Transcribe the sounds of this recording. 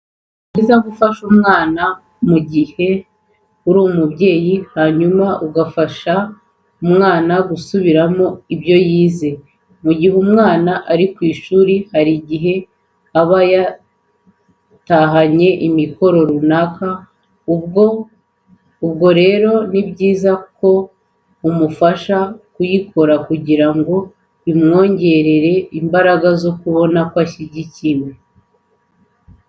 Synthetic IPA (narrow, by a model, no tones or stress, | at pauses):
izaɡufaʃumŋaːna | muɟihe̞ | uɾuːmubɟe̞ːjihaɲumaʔuɡafaʃa | umŋaːnaɡusuβiɾamo̞ibjo̞jiːze̞ | muɟihumŋaːnaʔaɾikwiːʃuɾihaɾiɟiɦe̞ | aβaja | taɦaɲe̞ʔimiko̞ɾo̞ɾunaka | ubɡo̞ɾe̞ːɾo̞nibɟiːzako̞ | umufaʃakujikʰo̞ɾakuɟiɾaŋɡo̞ | imŋo̞ːɲɟe̞ɾe̞ɾe̞imbaɾaɡazo̞kuβo̞nakwaɕiɟicime